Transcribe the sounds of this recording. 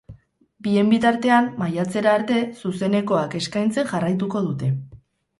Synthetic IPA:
bie̞mbit̪aɾt̪e̞amːajat͡se̞ɾaːɾt̪e̞suse̞ne̞ko̞ake̞skajnt͡se̞ŋʝarajt̪̬uko̞ð̞ut̪e̞

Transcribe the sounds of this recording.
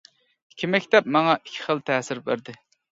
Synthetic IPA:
i̥kʲʰimɛkʲt̪ɛp̚mɑŋɑʔikʲʰi̥χəlˠt̪ʰɛːsɪɾbæ̰ɾd̪ɪ

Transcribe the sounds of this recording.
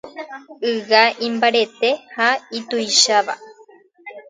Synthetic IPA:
ɨɡaʔimbaɾet̪ehait̪uiʃaβa̰

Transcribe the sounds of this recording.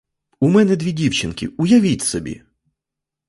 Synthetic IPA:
umɛnɛd̪ʲʋʲidʲiwt͡ʃɪnkʲɪ̰ʊjɐʋʲitʲsɔbʲḭ

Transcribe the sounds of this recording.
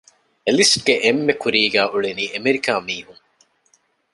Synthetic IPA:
elisʈɡeʔemːekuɾiːɡæːʔuɭeniːʔemeɾikaːmiːɦuŋ

